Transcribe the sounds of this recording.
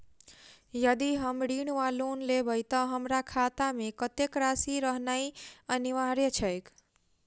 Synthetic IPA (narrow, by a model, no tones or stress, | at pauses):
jəd̪iɦəmɽiɽʋalonlebʱəjt̪əɦəmɾakʰat̪amekət̪ekɾasiɾəɦnaiəniʋaɾet͡ʃʰəjk